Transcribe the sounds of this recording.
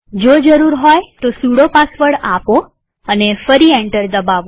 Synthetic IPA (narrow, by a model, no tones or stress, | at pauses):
d͡ʒod͡ʒəɾuɾɦɔjt̪osuɽopasʋəɭapo | ənefəɾiɛɳʈəɾd̪əbaʋo